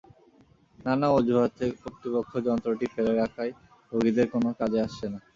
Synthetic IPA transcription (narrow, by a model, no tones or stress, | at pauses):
nanaod͡ʑʱuɦat̪ʰepot̪ipokʰːod͡ʑɔnt̪ɾoʈifeɾeɾakʰaj | ɾoɡid̪eɾkonokad͡ʑeaʃt͡ɕʰena